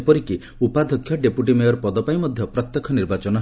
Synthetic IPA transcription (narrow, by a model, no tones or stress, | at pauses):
pɔɾiki | upad̪ʱɔkʰːjɔɖepuʈimejɔɾpɔd̪ɔpajmɔd̪ʱjɔpɾɔt̪jɔkʰɔniɾbat͡ʃɔnɔ